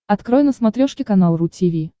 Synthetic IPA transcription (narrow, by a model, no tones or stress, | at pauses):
ɐt̪kɾojnəsmɐt̪ɾʲoʂkʲɪkɐnalˠɾutʲivʲi